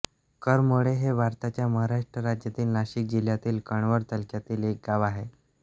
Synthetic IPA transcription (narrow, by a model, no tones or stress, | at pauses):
kəɾmoɭeɦebʱaɾt̪at͡ɕjaməɦaɾaʂʈɾəɾad͡ʑjat̪iːlnaɕiːk̚d͡ʑiljat̪iːlkəɳ̃ʋəɾt̪əlkjat̪iːlek̚ɡaʋaɦe